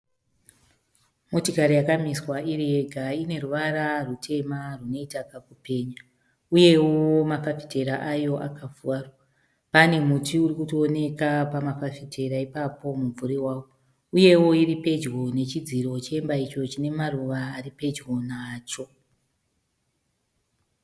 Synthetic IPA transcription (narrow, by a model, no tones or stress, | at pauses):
motikaɾijakamiswairieɡʱaine̞ruʋaɾarutʰe̞maruno̞itakakupe̞ːɲa | uje̞womafafi̥te̞ɾaʔajo̞ʔa̰kavuwaro | pane̞mutiurikutione̞kapamafafitʰe̞ɾaipapo̞muɱvuɾiwaːwo | uje̞wo̞iripe̞d͡ʒɣo̞ne̞t͡ʃid͡ziɾo̞t͡ʃeembait͡ʃo̞t͡ʃine̞maruʋaːɾipe̞d͡ʒɡo̞naːt͡ʃo̞